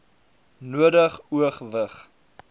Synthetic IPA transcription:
nuədəχuəχvəχ

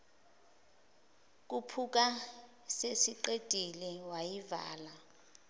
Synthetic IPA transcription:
k̬upʰuk̬a | sesiǃed̥ʼʱilɛwajiva̰ːla

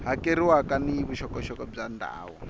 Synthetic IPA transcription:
ɦakeɾiwakaniiβuʃɔkɔʃɔkɔb͡ʐanda̰ːɦɔ

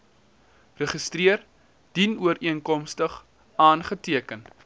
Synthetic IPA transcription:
rəχəstriər | d̥inuəɾiənkɔmstəχ | ɑːnχətiəkən

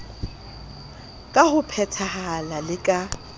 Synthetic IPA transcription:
kʼahʊpʰɛtʰahaalalɪkʼa

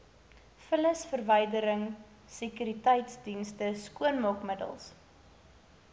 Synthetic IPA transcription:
fələsfərvəjdəɾəŋ | sekyɾitɛjtsdinstəskuənmɔkmədə̰lˠs

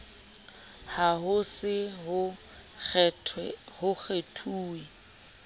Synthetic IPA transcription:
haɦʊsɪɦʊ | tʰɛhʊk͡xʰetʰuːi

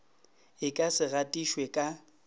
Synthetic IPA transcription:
ɪkʼasɪɣatʼiʃwɛkʼa

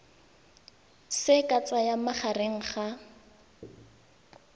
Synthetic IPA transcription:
sɪkʼat͡sajamaχareŋ̩χa

